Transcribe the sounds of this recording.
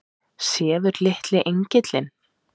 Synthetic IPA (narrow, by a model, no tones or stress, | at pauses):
sjɛːðʏɾlɪht̪lɪʔeɲcɪt̪lɪn